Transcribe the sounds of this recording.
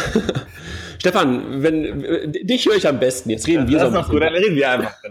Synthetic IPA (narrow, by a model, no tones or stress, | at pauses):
ʃtɛfanvɛndɪçhøːɐɪçambɛstn̩jɛt͡stʁeːdn̩viːɐzossɡ̥uːtaʁeːdn̩viɐaɪnfaχ